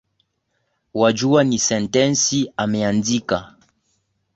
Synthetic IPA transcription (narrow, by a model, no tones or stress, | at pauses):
wad͡ʒuanisɛntɛnsiamɛandika